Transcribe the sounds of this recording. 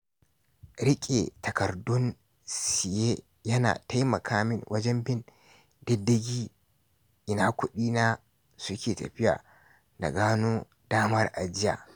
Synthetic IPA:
ɾɪ˦kʲʼḛ˨tɐ˨kɐ˨ɾdɔ˦n | si˨je˦ | jɐ˦na̰ː˨tɐ˦jmɐ˨kʰaː˦mɪ˦nwʔɐ˦d͡ʒɛ˦mbɪ˦n | dɛ˦dːɐ˦ɡʲi˦ | ʔɪ˨na˦kʊ˦ɗiː˦na˦ | su˦kʲeː˨tɐ˨ɸɪ˦ja̰˨ | na̰˨ɡaː˦nu˦ | daː˦mɐ˦ɾʔa˨d͡ʒɪ˦ja̰˨

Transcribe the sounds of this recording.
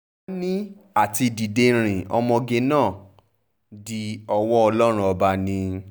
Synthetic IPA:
a˦nĩ˦ | a˦˨ti˧di˨de˧ɾ̃ĩ˨ʔɔ̰˧mɔ̃˧ɡe˧nãː˦˨ | di˧ɔ˧wɔ˦ɔ˧lɔ˦ɾ̃ũ˦ɔ˧ba˧nĩ˧

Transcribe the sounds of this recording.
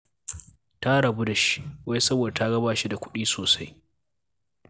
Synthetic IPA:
ta˦ɽɐ˨bu˦da˨ʃi̥˦wa˦jsɐ˦boː˨da˨ta˦ɡɐ˦baː˨ʃi˦da˨kʷʊ˦ɗiː˦soː˨sa˦j

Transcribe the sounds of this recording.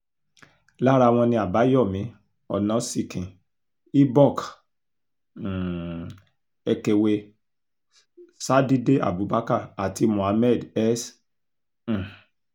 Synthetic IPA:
la˦ɾa˧w̃ɔ̃˧nĩ˧a˨ba˨˦jɔ˦˨mĩ˨˧˦ | ɔ˨nã˨˦si˦˨kʰĩ˨ | i˦bɔ˦˨k | ɛ˧ke˧we˧ | sa˦di˦de˦ʔa̰˨bu˨˦ba˦ka˦˨a˨ti˧mũ˨a˨˦mɛ˦˨dɛ˦s̩˨

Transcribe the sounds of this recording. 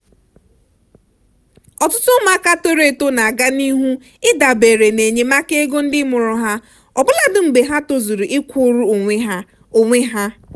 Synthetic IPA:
ɔ˨tʊ˦tʊ˦ma˦ka˦to˦ɾe˨to˦na˨a˨ɡa˦ni˦ɦu˦ | ɪ˦da˨be˨ɾe˨ne˨ɲe˨ma˦ke˦ɡo˦n̩˦dɪ˦mʊ˨ɾʊ˨ɦa˦ | ɔ˨bʊ˦la˨dʊ˨m̩˨ɡ͡be˨ɦa˦to˦zu˨ɾu˨ʔɪ˦kʷʰu˦ɾu˦o˨ŋʷe˦ɦ | o˨ŋʷe˦ɦa˦

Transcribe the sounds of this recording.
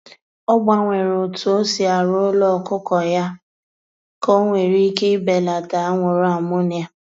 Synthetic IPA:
ɔ˦ɡ͡ba˨ŋʷe˨ɾo˨tʊ˨o˦si˨a˨ɾʊ˦lɔ˦˨kʊ˦kɔ˨ja˦ | ko˦ŋʷe˨ɾi˦ke˦i˦be˨la˨ta˨a˦ŋʷʊ˨ɾa˦˨mʊ˦nɪ˦a˦

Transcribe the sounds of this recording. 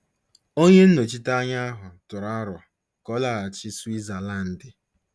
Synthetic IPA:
o˦ɲe˦n̩˦no˨t͡ʃi˦ta˦ɲa˦a˦ɦʊ˨tʊ˨ɾa˦ɾʊ˨a˨ | kɔ˦la˨a˨t͡ʃɪ˦swi˦za˨la˦˨n̩˨dɪ˦

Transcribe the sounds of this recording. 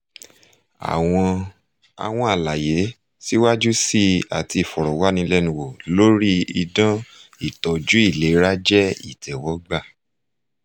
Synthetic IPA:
a̰˨w̃ɔ̃˧ | a̰˨w̃ɔ̃˧a˨la˨je˨˦ | si˦wa˦d͡ʒu˦si˦˨a̰˨ti˧˨fɔ˨ɾɔ˨wa˨˦nĩ˧lɛ˦nũ˧wo˨lo˦ɾi˦i˧dã˦i˦˨tɔ˨d͡ʒu˨˦i˦˨le˨˦ɾa˦d͡ʒɛ˦ḭ˦˨tɛ˨wɔ˨˦ɡ͡ba˦˨

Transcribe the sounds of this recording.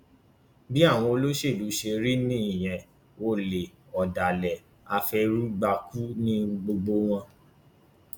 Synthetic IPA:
bi˦a˦˨w̃ɔ̃˧o˧lo˦ʃe˦˨lu˨˦ʃe˧ɾi˦nĩ˦i˦˨j̃ɛ̃˧ | o˧˦le˨ | ɔ˨da˨lɛ˨ | a˧fɛ˧ɾu˦ɡ͡ba˧ku˦nĩ˦ɡ͡bo˧ɡ͡bo˧˦w̃ɔ̃˧

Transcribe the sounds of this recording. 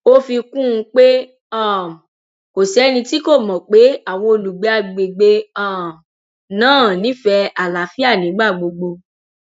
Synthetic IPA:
o˦fi˧kũ˦˨˧k͡pe˦ | ã˦˨ | ko˨sɛ˨˦nĩ˧ti˦ko˦˨mɔ̃˨k͡pe˨˦a˦˨w̃ɔ̃˧o˧lu˨ɡ͡be˨˦a˨ɡ͡be˨ɡ͡be˧ã˦˨ | nãː˦˨nĩ˦fɛ˧a˨la˨˦fi˦a˦˨nĩ˨˦ɡ͡ba˦˨ɡ͡bo˧ɡ͡bo˧

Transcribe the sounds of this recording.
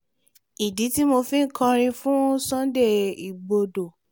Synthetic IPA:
i˨di˨˦ti˦mo˧fĩ˦n̩˦˨kɔ̃˧ɾ̃ĩ˧fũ˦sɔ̃˦de˦˨i˨ɡ͡bo˧do˨

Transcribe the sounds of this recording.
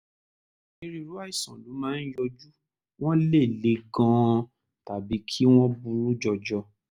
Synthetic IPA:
e˧ɾi˧ɾu˨˦a˦i˦˨sã˨lu˨˦mãː˨˦n̩˦jɔ˧d͡ʒu˦ | w̃ɔ̃˦le˦˨le˨˦ɡã˧ | ta˨bi˨˦kʰi˦w̃ɔ̃˦bũ˧ɾũ˦d͡ʒɔ˧d͡ʒɔ˧

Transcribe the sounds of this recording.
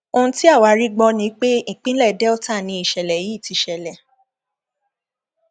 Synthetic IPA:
o˧ñ̩˦ti˦a˦˨wa˨˦ɾi˦ɡ͡bɔ˧nĩ˨˦k͡pẽ˦˨k͡pĩ˦lɛ˦˨dɛ˦ɔ˦˨ta˦˨nĩ˧i˨ʃɛ˨lɛ˨ji˨˦˨ti˨˧ʃɛ˨lɛ˨

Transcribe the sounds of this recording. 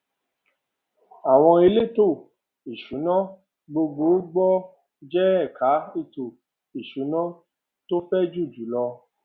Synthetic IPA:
a˨w̃ɔ̃˧i˧le˦to˦˨ | i˨ʃu˨˦nã˦ | ɡ͡bo˧ɡ͡bo˨˦ɡ͡bɔ˦ | d͡ʒɛ˦ɛ˦˨ka˨˦i˦˨to˨ | i˨ʃu˨˦nã˦ | to˦fɛ˦d͡ʒu˦˨d͡ʒu˨˦lɔ˧

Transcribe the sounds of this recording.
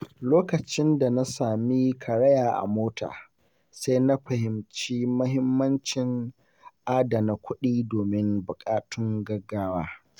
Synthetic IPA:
loː˦kɐ˨t͡ʃɪ˦nda˨na˦saː˨mi˦kʰɐ˨ɽɐ˦jaː˨ʔa̰˨moː˦tʰa̰ː˨ | sa˦jna˦ɸɐ˨hɪ˨mt͡ʃiː˦mʊ˦ɦɪ˦mːɐ˦nt͡ʃɪ˨ŋ | ʔaː˦da˨na˨kʷʊ˦ɗiː˦doː˨mɪ˦ŋbʊ˨kʼaː˦tʊ˦ŋɡɐ˦ɡːaː˦waː˦

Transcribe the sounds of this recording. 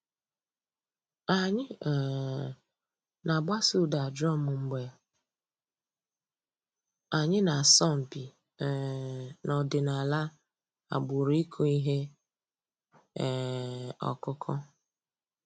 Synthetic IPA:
a˨ɲɪ˦˨ | na˨ɡ͡ba˦su˦˨da˨dɾɔ˦mʊ˨ŋ͡m̩˦ɡ͡be˨ | a˨ɲɪ˦na˨sɔ˦˨m̩˨pi˨ | nɔ˨dɪ˨na˨la˦ | a̰˨ɡ͡bu˨ɾi˦kʰu˦i˦ɦe˦˨ | ɔ̰˨kʊ˦kʰɔ˦

